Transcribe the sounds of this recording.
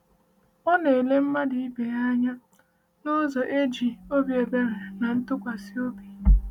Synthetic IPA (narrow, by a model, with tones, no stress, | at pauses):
ɔ˦ne˨le˦m̩˦ma˦dɪ˨i˦be˨ja˦ɲa˦ | nʊ˦zɔ˨ʔe˦d͡ʒi˨o˦bje˨be˦ɾe˨na˨n̩˦tʊ˦kʷa˨si˦o˦bi˨